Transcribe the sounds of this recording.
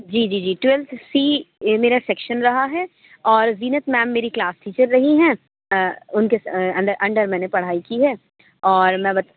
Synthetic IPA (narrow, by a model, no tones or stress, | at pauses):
d͡ʒiːd͡ʒiːd͡ʒiːʈwɛlt̪ʰsiːmeːɾasɛkʃənɾɐɦaɦɛː | ɔːɾziːnət̪mɛːmːeːɾiklaːsʈʰiːt͡ʃəɾːɐɦiɦɛ̃ː | ʊnkesɐ̃nd̪əɾʔɐ̃ɳɖəɾmɛ̃ːnepɐɽ̤aːikiɦɛː | ɔːɾmɛ̃ːbɐt̪